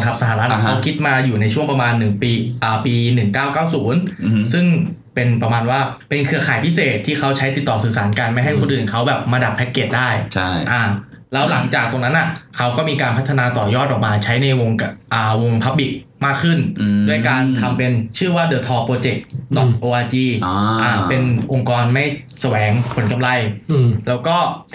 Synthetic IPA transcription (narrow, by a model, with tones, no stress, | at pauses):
t̪ʰa˦˥p̚sa˧ɦaː˨ɾa˦˥t̪̚kʰa˦˥wkʰi˦˥t̪̚maː˧juː˨˩na˧jt͡ɕʰu˥˩əŋpɾa˧maː˧nːɯ˨˩ŋpiː˧ʔaː˨˩piː˧nɯ˨˩ŋkaː˥˩wkaː˥˩wsuː˩˦nsɯ˥˩ŋ | pe˧npɾa˧maː˧nwaː˥˩ | pe˧nkʰɯ˧ɐkʰaː˨˩jpʰi˦˥seː˨˩t̪ʰːiː˥˩kʰa˦˥wt͡ɕʰa˦˥jt̪i˨˩t̪ːɔː˨˩sɯː˨˩saː˩˦nka˧nma˥˩jɦa˥˩jkʰo˧nʔɯː˨˩nkʰa˦˥wbɛː˨˩p̚maː˧da˨˩p̚pʰɛ˦˥t̪̚keː˨˩t̪̚daː˥˩jt͡ɕʰʔa˨˧˩ | lɛː˦˥wla˨˩˦ŋt͡ɕaː˨˩k̚t̪o˧ŋna˦˥nʔa˨˩kʰa˦˥wkɔː˥˩miː˧kaː˧npʰt̪ʰːnaː˧t̪ɔː˨˩jɔː˥˩t̪̚ʔɔː˨˩k̚maː˧t͡ɕʰa˦˥jna˧jwo˧ŋʔaː˨˩wo˧ŋpʰa˦˥p̚bi˨˩k̚ | maː˥˩kʰːɯ˥˩ndu˥˩əjkaː˧nt̪ʰa˧mpe˧nt͡ɕʰɯ˥˩waː˥˩dɤː˧˩t̪ʰɔː˧˩pːɾoː˧t͡ɕe˨˩k̚dɔː˨˩k̚ʔoː˧ʔaː˧t͡ɕiː˧ʔaː˨˧˩pe˧nʔo˧ŋkɔː˧nma˥˩j | sa˧wɛː˩˦ŋpʰo˩˦nka˧mla˧jlɛː˦˥wkɔː˥˩